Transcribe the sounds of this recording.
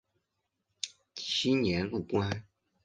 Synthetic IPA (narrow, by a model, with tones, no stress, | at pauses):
t͡ɕʰi˥njɛ˧˥nlu˥˩kwa˥n